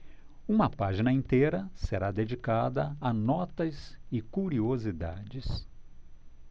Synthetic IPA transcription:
ũmɐpaʒinɐĩt̪eɾɐseɾad̪ed͡ʒikad̪ɐanɔt̪ɐzɪkuɾiozid̪a̰d͡ʒɪs

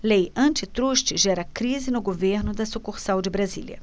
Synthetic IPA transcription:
lejɐ̃nt͡ʃɪt̪ɾuʃt͡ʃɪʒɛɾɐkɾizɪnʊɡoveɾnʊd̪ɐsukuɾsawd͡ʒɪbɾazḭljɐ̰

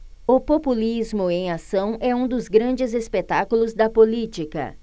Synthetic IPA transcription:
ʊpopulizmʊẽj̃asɐ̃w̃ɛũd̪ʊzɡɾɐ̃d͡ʒɪzespet̪akulʊzd̪ɐpolit͡ʃikɐ̰

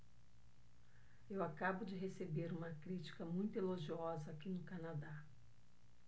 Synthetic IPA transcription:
ewakabʊd͡ʒɪɦesebeɾũmɐkɾit͡ʃi̥kɐmũj̃t̪ʊeloʒiɔzɐːkinʊkanad̪a

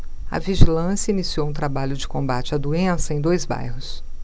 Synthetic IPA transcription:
ɐ̰viʒilɐ̃sjɐinisiowũt̪ɾabaʎʊd͡ʒɪkõmbat͡ʃɪad̪uẽsɐẽj̃d̪ojzba̰jhʊs

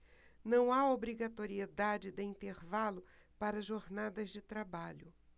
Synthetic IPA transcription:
nɐ̃w̃aobɾiɡat̪oɾied̪ad͡ʒɪd̪ɪĩnt̪eɾvalʊpaɾɐʒoɾnad̪ɐzd͡ʒɪt̪ɾabaʎʊ

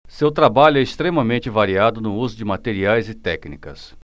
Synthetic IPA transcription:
sewt̪ɾabaʎʊɛɪst̪ɾẽmɐmẽt͡ʃɪvaɾiad̪ʊnʊuzʊd͡ʒɪmat̪eɾiajzɪt̪ɛknikɐ̰s

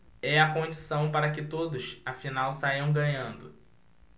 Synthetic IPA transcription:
ɛɐkõd͡ʒisɐ̃w̃paɾɐkɪt̪od̪ʊsafinawsajiɐ̃w̃ɡɐ̃ɲɐ̃nd̪ʊ

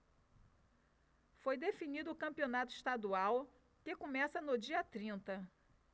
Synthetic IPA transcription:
fojd̪efinid̪ʊːkɐ̃mpionat̪ʊiʃt̪ad̪uaw | kekomɛsɐnʊd͡ʒiɐt̪ɾĩnt̪ɐ

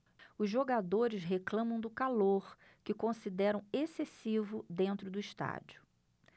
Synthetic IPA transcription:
ʊzʒoɡad̪oɾɪzɦeklɐ̃mɐ̃w̃d̪ʊkaloɾ | kɪkõsid̪ɛɾɐ̃w̃esesivʊd̪ẽnt̪ɾʊd̪ʊiʃt̪a̰d͡ʒʊ̥

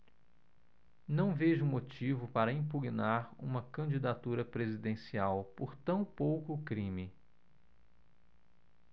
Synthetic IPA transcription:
nɐ̃w̃veʒʊmot͡ʃivʊpaɾɐĩpuɡnaɾṵ̃mɐkɐ̃d͡ʒid̪at̪uɾɐpɾezid̪ẽsiawpoɾt̪ɐ̃w̃powkʊːkɾĩmɪ

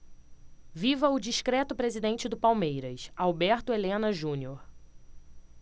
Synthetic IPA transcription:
vivɐʊd͡ʒiʃkɾɛt̪ʊpɾezid̪ẽnt͡ʃɪd̪ʊpawmejɾɐsawbɛɾt̪ʊelẽnɐʒũnioɾ

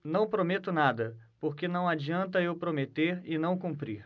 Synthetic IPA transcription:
nɐ̃w̃pɾomet̪ʊnad̪ɐ | poɾkenɐ̃w̃ad͡ʒiɐ̃nt̪ɐewpɾomet̪eɾɪnɐ̃w̃kũmpɾḭɾ

